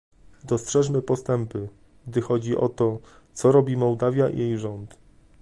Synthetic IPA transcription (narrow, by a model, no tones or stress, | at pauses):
d̪ɔstʂɛʂmɘpɔst̪ɛmpɘ | ɡ̚d̪ɘxɔd͡ʑiʔɔ̰t̪ɔ | t̪sɔɾɔbʲimɔwd̪avʲjaʔḭjejʐɔnt̪